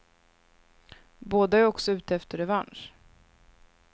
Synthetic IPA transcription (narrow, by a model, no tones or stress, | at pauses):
boːd̪aæɾɔksɔʉ̟ːt̪əɛft̪əɾɛvanʂ